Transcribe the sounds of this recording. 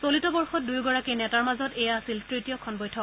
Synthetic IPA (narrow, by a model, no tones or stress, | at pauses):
solitɔbɔɹxɔt̚dujɡɔɹakinɛtaɹmazɔtɛjaːsiltɹitijɔkʰɔnbɔjtʰɔ